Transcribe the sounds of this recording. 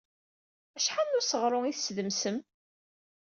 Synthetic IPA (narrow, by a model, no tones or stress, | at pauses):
æʃħanːʊɾsəʁɾˤʊiθəsðəmsəm